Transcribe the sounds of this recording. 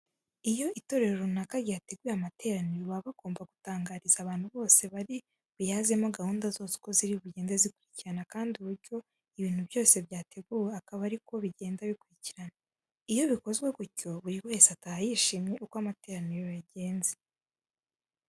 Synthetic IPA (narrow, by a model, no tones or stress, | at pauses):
ijo̞ito̞ɾe̞ɾoɾonakaɾjiate̞ɡweamate̞ːɾaniɾoβaβaɡ̥o̞ːmbaɡutaːŋɡaːɾizaβaːn̥huβo̞ːse̞βaɾi | βujaze̞moɡahuːndazo̞ːzi̥ko̞ziɾiβuɟe̞ːnzezikuɾiciɾanakaːndiuβuɾɟo̞ | iβiːn̥huβjo̞ːse̞βjaːte̞ɡuweakaβaɾiko̞βiɟe̞ːndaβikuɾiciɾana | ijo̞βiko̞zɡwe̞ɡuɾco̞βuɾiwe̞ːseatahajiʃimɲe̞ʔukoamate̞ːɾaniɾojaɟe̞ːnze